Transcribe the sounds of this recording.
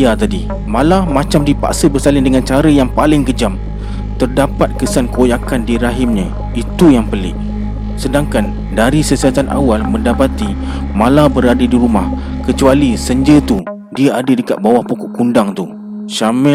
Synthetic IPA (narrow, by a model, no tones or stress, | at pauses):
jat̪adi | mãlamãt͡ʃamdipa̰ʔsəbərsalɪndəŋant͡ʃaɾəjaŋpalɪŋkəd͡ʒam | t̪ərdapat̪̚kəsankəojakandiɾaɦɪmɲə̃ | it̪ujaŋpəlɪ̰ʔ | sədaŋkan | daɾisəsiat̪anʔa̰walmə̃ndapat̪imãlabəɾadədiɾumahkət͡ʃualisəɲd͡ʒət̪u | diaadədəka̰t̪̚bawahpukɔʔkundaŋt̪u | ʃamɛ